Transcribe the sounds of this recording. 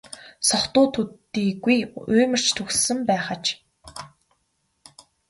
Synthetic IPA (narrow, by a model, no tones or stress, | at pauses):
sɔχt̪ʊːt̪ʰut̪ːiːɡujʊːmɘ̆r̥t͡ɕt̪ʰɵxssɘ̆mpæːχə̆t͡ɕ